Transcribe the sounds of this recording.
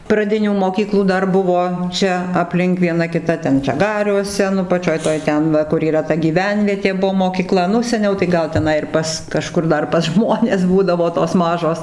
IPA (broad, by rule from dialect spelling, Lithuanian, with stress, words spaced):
prɐˈdʲɪnʲuː moːˈkʲiːklˠuː ˈdɐr ˈbʊʋoː ˈt͡ʃʲɛ ɐpʲˈlʲɪŋk ʋʲiɛˈnɐ kʲɪˈtɐ ˈtʲɛn ʒɐˈɡɑːrʲuɔsʲɛ nʊ pɐˈt͡ʃʲoːj ˈtoːj ˈtʲɛn ˈʋɐ kʊr iːˈrɐ tɐ ɡʲiːˈʋʲɛnʲʋʲiɛtʲeː ˈbuɔ moːkʲiːˈklˠɐ ˈnʊ sʲɛˈnʲɛʊ tɐɪ ˈɡɐlˠ tʲɛˈnɐɪ ɪr ˈpɐs kɐˈʃkʊr ˈdɐr pɐs ˈʒmoːnʲɛs ˈbuːdɐʋoː toːs ˈmɑːʒoːs